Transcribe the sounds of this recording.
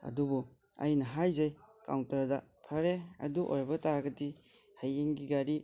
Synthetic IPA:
ɐ̰dubɔ | a̰jnɐɦajzajka̰wntaɾdapʰaɾeɐ̰duʔo̰jbɐtaɾɡɐdihajeŋɡiɡaɾi

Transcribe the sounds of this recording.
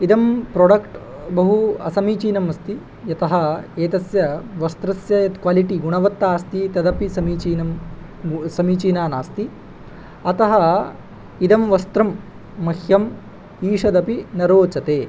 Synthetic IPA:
id̪ɐmpɾoːɖɐkʈ | bɐɦuɐsɐmiːt͡ʃiːnɐmɐst̪i | jɐt̪ɐɦɐeːt̪ɐsjɐʋɐst̪ɾɐsjɐjɐt̪kʋaːliʈiɡuɳɐʋɐt̪ːaːst̪it̪ɐd̪ɐpisɐmiːt͡ʃiːnɐm | sɐmiːt͡ʃiːnaːnaːst̪i | ɐt̪ɐɦɐ | id̪ɐmʋɐst̪ɾɐmː | ɐhjɐm | iːʂɐd̪ɐpinɐɾoːt͡ʃɐt̪eː

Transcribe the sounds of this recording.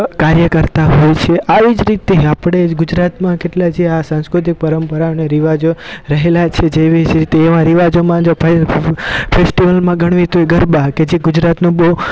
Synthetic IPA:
kaɾjəkəɾt̪aɦojt͡ʃʰeʔaʋid͡ʒɾit̪eapɽ̃eɡud͡ʒɾat̪mãkeʈlad͡ʒeasãskɾut̪ik̚pəɾəmpəɾaəneɾiʋad͡ʒoɾəɦelat͡ʃʰed͡ʒeʋid͡ʒɾit̪eːʋãɾiʋad͡ʒomãd͡ʒo | fʰesʈiʋəlmãɡəɽ̃ʋit̪oeɡəɾbaked͡ʒeɡʊd͡ʒɾat̪nõbo

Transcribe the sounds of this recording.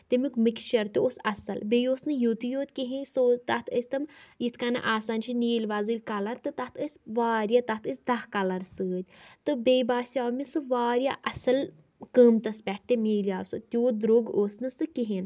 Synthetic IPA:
t̪ʲimʲukmikʃɐɾt̪ʲioːsɐsɐlbejoːsnɨjut̪ijoːt̪ʲkiɦĩnsoːt̪ɐt̪ʰəsʲt̪ɐmjit̪ʰkɐna̰ʔaːsaːnʃʰiniːlʲʋaːzɨlʲkɐlɐɾt̪ɨt̪ɐt̪ʰəsʲʋaːɾjat̪ɐt̪ʰəsʲd̪ɐhkɐlɐɾsɨːd̪ʲt̪ɨbebaːsʲaːmisɨʋaːɾʲjaːʔɐsɐl | kəːmt̪ɐspʲɛʈːemeːlʲjaːsɨt̪ʲoːd̪ɾoːɡoːsnɨsɨkiɦin

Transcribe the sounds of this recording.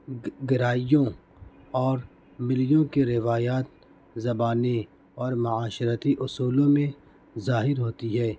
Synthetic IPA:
ɡɪɾaːijõ | ɔːɾ | mɪljõkeɾɪʋaːjaːt̪̚ | zɐbaːne | ɔːɾmʊaːʃɾət̪iʔʊsuːlõmẽ | zaːɦɪɾɦoːt̪iɦɛː

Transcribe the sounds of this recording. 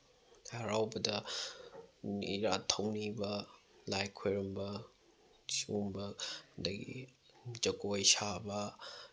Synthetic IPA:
ɐɾawbɐdɐ | niɾatʰɐwnibɐ | lajkʰojɾɐmbɐ | sumbɐdɐɡḭ | d͡ʒɐkojsabɐ

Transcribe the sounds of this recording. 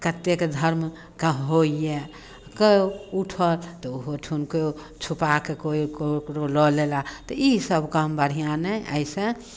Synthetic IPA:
kət̪ːekd̪ʱəɾm | kaɦoije | kəuʈʰəlt̪ɔoɦot͡ʃʰunkeo | t͡ʃʰupakekokokɾolɔlelat̪ɔisəbʱkəmbəɾ̤ijanɛʔə̰jsə̃

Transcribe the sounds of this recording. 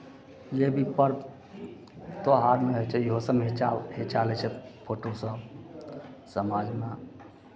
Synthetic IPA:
jebʱipəɾ | t̪oɦaɾmeɦot͡ʃʰɛjɦosəmɦet͡ʃaɦet͡ʃalɛt͡ʃʰɛpʰoʈosə̃ | səmad͡ʒma

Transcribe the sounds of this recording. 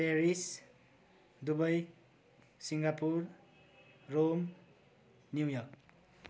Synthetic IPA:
peɾis | d̪ubʌj | siŋɡapurː | om | njujʌrk

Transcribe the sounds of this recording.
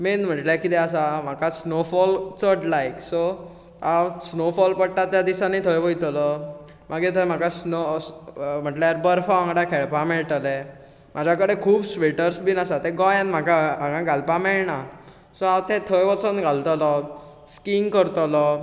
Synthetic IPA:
menm̤əʈlakit̪ɛas̬am̤akasnofɔlt͡səʈlajksɔ | asnofɔlpəɽʈat̪jad̪isãnit̪ʰəjʋəjt̪lɔ | maɡet̪ʰəm̤akasno | m̤əʈljaɾbəɾfɔãŋɡɽakʰeɭpameɭt̪əlɛ | mad͡ʑʱjakəɽekʰuːbsʋeʈəɾsbinasat̪eɡɔjanm̤akaaɡãɡʱalpamɛɭna | sɔat̪ẽt̪ʰəjʋɔt͡sɔnɡʱalt̪ɔlɔ | skiŋkəɾt̪ɔlɔ

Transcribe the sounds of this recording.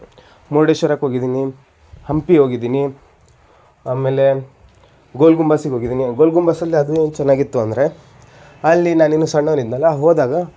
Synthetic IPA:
moɽeʃɐɾɐkɦo̞ːɡid̪iːni | hɐmpiɦo̞ːɡid̪iːni | aːmeːle̞ | ɡolɡumbaːsiɡɦo̞ːɡid̪iːniɡoːlɡumbaːsɐlːiɐd̪ueːnt͡ʃɛnːaːɡit̪ːuɐnd̪ɐɾe̞ | ɐlːinaːnenːusɐɳːɐʋnid̪nɐlɐɦoːd̪aːɡɐ

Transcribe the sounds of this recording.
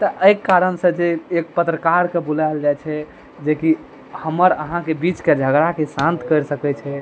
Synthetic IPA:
t̪ɔʔəjkːaɾənsə̃d͡ʒeːkpət̪ɾəkaɾkebulaɪld͡ʒajt͡ʃʰɛ | d͡ʒeki | həməɾəɦãkebit͡ʃked͡ʒʱəɡɾakesãnt̪kəɾsəkɛt͡ʃʰɛ

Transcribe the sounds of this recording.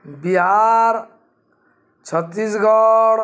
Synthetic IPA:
biɦaɾ | t͡ʃʰʌt̪ːisɡɔɽ

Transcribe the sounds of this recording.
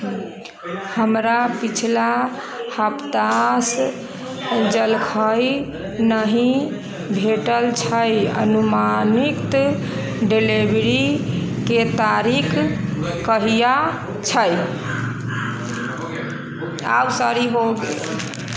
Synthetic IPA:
həmɾapit͡ʃʰla | həpt̪as | d͡ʒəlkʰəj | nəɦĩ | bʱeʈəlt͡ʃʰəjə̰numanikt̪ | ɖelibɾiket̪aɾikʰkəɦija | t͡ʃʰəj | a̰wsəɾiɦoɡḛ

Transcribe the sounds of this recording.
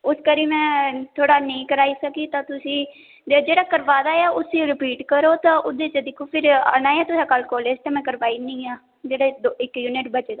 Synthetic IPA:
ʊskəɾiːmɛ̃ːt̪ʰoːɽaːnĩːkəɾaːiːsəkiːt̪ãːt̪ʊsĩː | d͡ʒeːɽaːkəɾʋaːd̪aːjaːʊsĩɾɪpiːʈkəɾoːt̪ãːʔʊd̪eːt͡ʃd̪ɪkʰːoːpʰɪɾəñaːeaːt̪ʊsãːkəlkɔːleːd͡ʒt̪ãːmɛ̃ːkəɾʋaːiːnə̃ĩːaː | d͡ʒeːɽeːd̪oːɪkːjuːnɪʈbət͡ʃeːd̪aː

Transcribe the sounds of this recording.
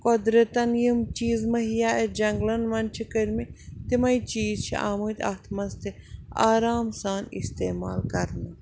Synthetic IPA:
kod̪ɾɐt̪ɐnjimt͡ʃiːzmɐɦijaːed͡ʒɐŋɡlɐnʋɐnt͡ʃʰikəɾʲmit̪imɐjt͡ʃiːzt͡ʃʰḭʔa̰ːmut̪ʲɐ̰t̪ʰmɐst̪i | aːɾaːmsaːnḭst̪eːma̰ːlkɐɾnɨ

